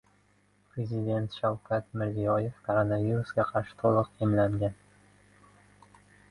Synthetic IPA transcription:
pʰɾezid̪ʲe̞nt̪ʃawkʲʰat̪mɪɾzijɒjefkʰoɾonaviɾusɡʲaqʰɑɾʃɪ̥t̪ʰolˠɨqemlaŋɡʲan

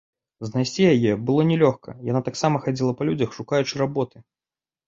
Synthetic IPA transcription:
znajsʲt͡sʲijajɛbɨlˠɔnʲɛlʲɔxkɐ̰janat̪aksamɐxad͡zʲilˠɐpɐlʲud͡zʲɐxʂukajut͡ʂɨɾabɔt̪ɨ

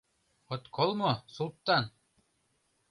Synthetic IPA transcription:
ŏt̪kʰolˠmɤ̆sulˠt̪ːɑn

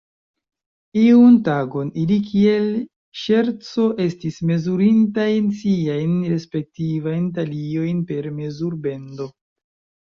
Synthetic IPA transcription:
iuntaɡo̞nilikʰie̞l | ʃe̞ɾt͡so̞ʔe̞stisme̞zuɾintajnsiajnɾe̞spe̞k̚tivajntalio̞jnpe̞ɾme̞zuɾbe̞ndo̞

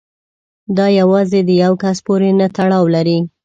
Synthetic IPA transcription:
d̪ɑjawɑzed̪əjawkaspoɾenat̪aɽɑwlaɾi

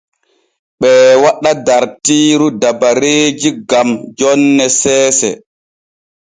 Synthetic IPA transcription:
ɓɛːwaɗadaɾtiːɾudabaɾeːd͡ʒiɡamd͡ʒɔnːɛsɛːsɛ̰

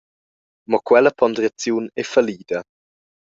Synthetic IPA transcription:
mɔkwɛlɐpʰɔnd̪ɾat͡sjuːnɛfaliːd̪ɐ

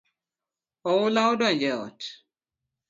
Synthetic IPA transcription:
ɔwʊlaodɔnd͡ʒɛɔ̰t

